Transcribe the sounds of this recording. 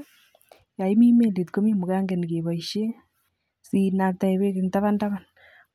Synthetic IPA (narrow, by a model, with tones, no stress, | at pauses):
ja˨i˦mi˦me˦˨le˨tko˦mi˦mu˨ka˦ŋɡɛ˨n˨ke˨ba˨iʃe˦ | si˨na˨k̚ta˨e˨be˦kɪ˨ŋta˦βa˦nta˦βa˨n